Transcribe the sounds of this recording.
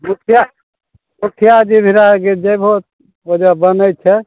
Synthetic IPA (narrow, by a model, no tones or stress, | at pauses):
mukʰja | mukʰjad͡ʒibʱiɾaked͡ʒəbʱot̪̚ | od͡ʒabənəjt̪̚t͡ʃʰɛ